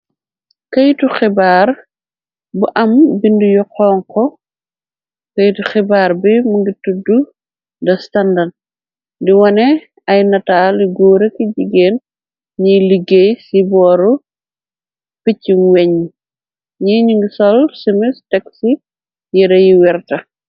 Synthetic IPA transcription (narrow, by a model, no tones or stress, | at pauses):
kɐjtuxɛbaːr | buʔɐmbindujɔqɔːŋkɔ | kɐjtuxɛbaːɾbimuŋɡitudu | dɐstandard̚ | diwɐnɛ | ɐjnɐtaːliɡuːɾekiɟiɡeːn | ɲiliɡesibɔːɾu | picːinwɛɲ | ɲiɲuŋɡisɔlsimɛstɛksi | jɛɾɐjiwɛrtɐ